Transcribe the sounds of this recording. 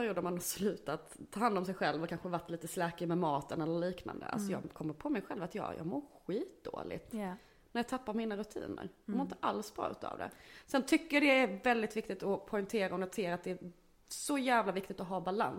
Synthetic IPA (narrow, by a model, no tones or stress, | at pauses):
pæɾɪjuːd̪əɾmanaslʉ̟ːt̪at̪ʰːɑːhand̪ɔmsɛjɧɛlvɔkʰanɧəvaʈːliːt̪əslɛːkəmɛmɑːt̪ənɛlːəɾliːkna̰nd̪ə̰a̰lsɔjɑ̰ːkʰɔmːəɾpʰɔmɛjɧɛlvat̪jɑ̰ːjɑ̰ːɡmʊɾɧiːt̪̚d̪o̰ːlɪ̰ɡt̪ | næɾjɑːt̪ʰapːaɾmiːnaɾɵt̪ʰḭːnə̰ɾjɑɡmʊɾɪnt̪ə̥ʔalsbɾɑ̰ːʉ̟̰ːt̪ʰɑ̰ːvd̪ɛ̰sɛnt̪ʰʏkːəjɖɛæɾvɛld̪ɪt̪vɪk̚t̪ɪt̪ɔpʰɔʏnt̪ʰeːɾaɔnɛt̪ʰeːɾat̪d̪ɛæ | sɔjæːvlavɪk̚t̪ɪt̪ɔɦɑːbala̰ns